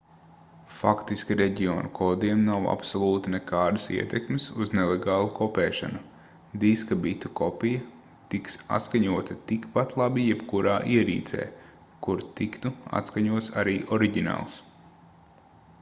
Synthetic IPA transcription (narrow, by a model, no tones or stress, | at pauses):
fakt̪iskʲiɾeɟiɔːnukʰɔːd̪iɛmnawa̰psɔlˠuːt̪inɛkaːd̪ɐsḭɛt̪ɛkmesuznelˠeɡɑːlˠukʰɔpɛːʃa̰nu | d̪iskabit̪u̥kɔpijɐ | t̪iksa̰t̪skaɲuɔt̪ɐt̪ikpat̪lˠabijɛbkuɾʔaːʔiɛɾḭːt̪sɛ̰ː | kuɾt̪ikt̪ua̰t̪skaɲuɔt̪saɾiːʔɔɾiɟʲina̰ːlˠs